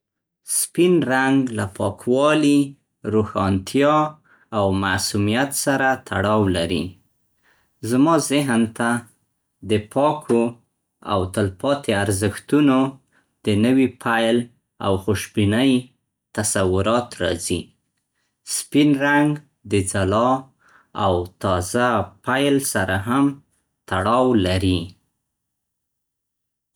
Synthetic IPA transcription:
spinɾaŋɡlapʰɑkwɑli | ɾohɑnt̪ʰjɑ | awmasumijat̪saɾat̪ʰa̰ɽɑwlaɾḭ | zmɑzɪɦnt̪a | d̪əpʰɑkʰo | a̰wt̪əlpɑt̪ʰeaɾzəxt̪uno | d̪̥ənəwipʰajl | a̰wxʊʃbinəj | t̪asawʊɾɑt̪ɾɑ̰zi | spinɾaŋɡ | d̪əd͡zalɑ | a̰wt̪ɑzapajlsaɾaɦam | t̪aɽɑwlaɾi

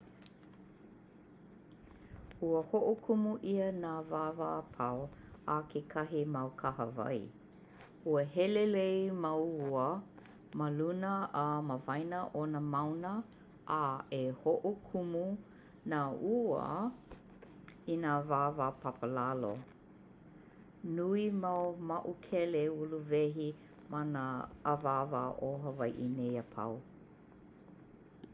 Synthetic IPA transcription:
uəhoʔokʰumuʔiənaːvaːvaːpʰawakʰekʰɐɦimɐwkʰahə̰va̰j | uəɦɛlelejmɐwuə | məlunəʔːməvɐjnəʔonəmawnə | ʔaehoʔukʰumu | nauə̰ | inaːvaːvapʰapəlalo̰ | nuimamɐʔukʰɛleuluvɛɦi | manəːvaːvaʔoɦəvɐjʔinejəpʰa̰w

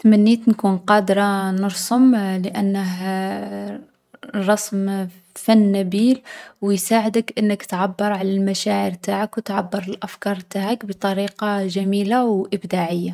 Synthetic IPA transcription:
t̪mænːit̪nkuːnqɑːd̪ɾˤɑnəɾsˤʊmləʔænːəɦ | rˤːɑsm | fænːæbiːlwjsaːʕəd̪əkʔənːəkt̪ʕabːɑɾˤʕalælmæʃaʕiɾt̪aʕakwt̪ʕabːɑɾˤəlʔæfkɑɾˤt̪aʕəkbt̪ˤɑɾiːqɑʒæmiːlawʔəbd̪aʕəjːa

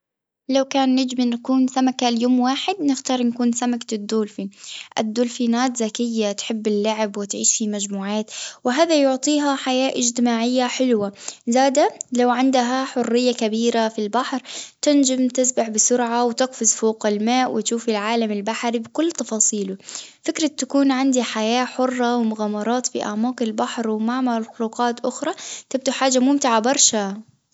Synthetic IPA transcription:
lawkaːnːɪd͡ʒmanakuːnsamakaljoːmwaːħɪd̪nɪxt̪ɑːɾˤnakuːnsamakad̪ːuːlfiʔad̪ːuːlfiːnaːt̪zakɪjːat̪ħɪbːɪlːaʕɪbwɪt̪ʕiːʃfimad͡ʒmuːʕaːt̪wɪɦaːðajʊʕt̪ˤiːɦaħajaːʔɪd͡ʒt̪ɪmaːʕɪjːaħɪlwazaːd̪alawʕɪnd̪aɦaħʊrːɪjːakabiːɾafilbaħɾt̪ɪnd͡ʒamt̪ɪsbaħbɪsʊɾʕawt̪ɪqfɪzfoːqalmaːʔwɪt̪ʃuːfɪlʕaːlamɪlbaħɾibɪkʊlːt̪ɑfɑːsˤiːlʊfɪkɾˤɑt̪ːakuːnʕɪnd̪iħajaːħʊrˤːɑwɪmʊɣaːmːɑɾˤɑːt̪fḭʔa̰ʕmɑːqɪlbaħɾwmaʕmalxluːqɑːt̪ʔʊxɾˤɑt̪ɪb̚d̪uħaːd͡ʒːamʊmt̪ɪʕabɑɾˤʃa

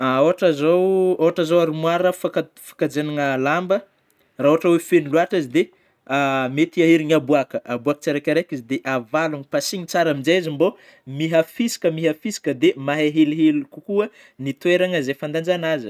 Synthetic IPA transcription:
aoɦaʈ͡ʂazowoɦaʈ͡ʂazowaɾumwaɾəfaka | fḁkad͡zenaŋəlambə | raɦoaʈ͡ʂawefeniluaʈ͡ʂazid̪e | amet̪iaɦeɾiɲabuakəʔabuakə̥t͡saɾakʲaɾekizd̪eʔavaluŋipasiɲit͡saɾamind͡ʒazimbo | miɦafisi̥kəmiɦafisi̥kəd̪emaɦeɦeliɦelukukuə | nit̪weɾaŋəzefand̪and͡ʒanazə

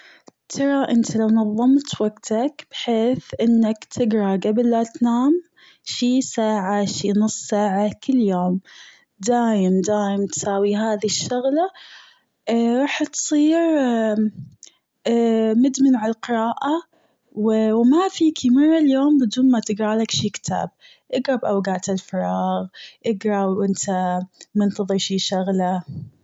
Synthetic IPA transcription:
t̪ʰɑɾˤɑʔɪnt̪ilawnɑðˤːɑmt̪waɡt̪akb̥ɪħeːθʔɪnːakt̪ʰɪɡɾˤɑɡablʔat̪naːm | ʃiːsaːʕaʃiːnʊsˤːsaːʕakɪlːjoːm | d̪aːjɪmd̪aːjɪmt̪saːwiɦaːðiʃːʊɣla | ɾˤɑːħt̪sˤiːɾ | mɪd̪mɪnʕalqɪɾˤɑːʔa | wɪwmafiːkʰimɑrˤːɑljoːmbɪd̪uːnmat̪ɪɡɾaːlakʃiːkt̪ʰa̰ːb̚ | ʔɪɡɾɑbʔawɡaːʕt̪ɪlfɑɾˤɑːɣʔɪɡɾˤɑwwʔɪnt̪ʰamɪnt̪ɑðˤɨɾʃiːʃʊɣla

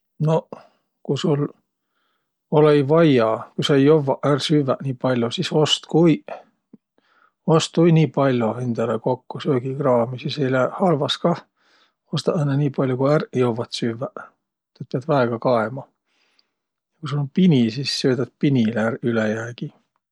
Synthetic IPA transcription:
no | kujsul | olejvɑjɑkujsɑejovːɑʔærsyvːæʔniːpɑlʲjosiso̞st̪kuj | ost̪ːujniːpɑlʲjohend̪̥ɑlekokːusøːɡ̥iɡrɑːmisisejlæhɑlvɑskɑ | ost̪ɑʔenːeniːpɑlʲjokuærjovɑt̪syvːæ | t̪et̪pːeɑd̪væeɡ̥ɑkɑemɑ | jɑkusulompinisisːøːd̪ɑd̪̥̚pinʲilærylejæːɡ̥i

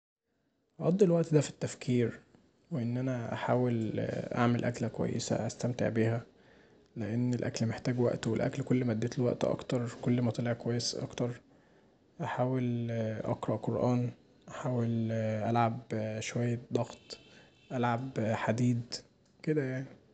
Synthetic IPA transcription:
ʕɑd̪ˤːelwæʔt̪d̪æfi̥t̪ːæfkʰiːɾ | weʔenːʔænæʔaħaːwelʔa̰ʕmelʔæklækowæ̰jːḛsæ̰ʔæst̪æmt̪ḛʕbiːhæ | leʔenːelʔæ̰klmeħt̪æːɡwæ̰ʔt̪welʔæ̰klkolːmæd̪ːæːt̪elwæʔt̪ʔɑ̰kt̪ɑɾˤkolːmæt̪ɑleʕkowæjːesʔɑ̰kt̪ɑɾˤ | ʔaħaːwelʔɑ̰qɾˤɑʔqoɾˤʔæːn | ʔaħaːwelʔælʕabʃowæjːæd̪ˤɑɣt̪ˤ | ʔælʕabħad̪iːd̪ | ked̪æjaʕni

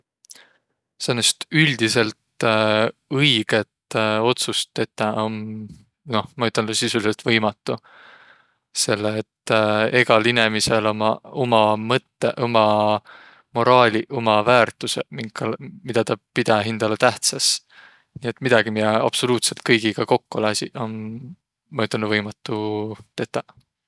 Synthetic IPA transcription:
senːest̪ylʲd̪̥ise̞lt̪ | ɤjɡ̥e̞t̪o̞t̪sust̪e̞t̪ːɑon | no̞hmɑyt̪ːˑɑnd̪usisuliselt̪vɤjmɑt̪ːˑu | se̞lːeːt̪ːe̞ɡ̥ɑline̞mise̞lomɑomɑmɤt̪ːeʔo̞mɑ | mo̞ɾɑːlʲiʔo̞mɑvæːrt̪ːˑusemiŋkːɑlmid̪̥ɑt̪ɑpid̪̥ɑɦind̪̥ɑlet̪æht̪sɑs | niːe̞t̪mid̪̥ɑɡ̥imijeɑ̰b̥so̞luːt̪se̞lt̪̚kɤjɡ̥iɡɑko̞kːuolɑsʲḭʔo̞nː | ɑyt̪ːˑɑnd̪vɤjmɑt̪ːut̪e̞t̪ːˑɑ

